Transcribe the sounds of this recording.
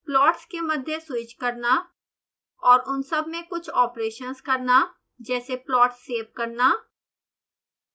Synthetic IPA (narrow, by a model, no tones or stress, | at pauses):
plɔːʈskemɐd̪ʱjesʊɪt͡ʃkɐɾna | ɔːɾʊnsɐbmẽkʊt͡ʃʰɔːpɾeːʃənskɐɾna | d͡ʒɛːseplɔːʈsːeːʋkɐɾnaː